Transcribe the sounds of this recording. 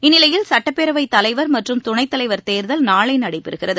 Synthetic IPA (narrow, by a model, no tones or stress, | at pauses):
ɪnːɪlɐjɪlsɐʈːɐpːɛɾɐʋɐɪt̪ːɐlɐɪʋɐɾmɐʈrɯmt̪ʊɳɐɪt̪ːɐlɐɪʋɐɾt̪eːɾðɐlnaːɭɐɪnɐɽɐɪpːɪɾɯɣɪrɐðɯ